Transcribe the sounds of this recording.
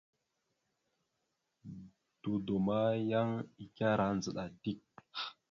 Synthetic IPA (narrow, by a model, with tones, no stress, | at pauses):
d̥u˨do˨ma˦ja˦ŋi˨kʲa˦ɾa˦nd͡zə˨ɗa˨di˦˨k̚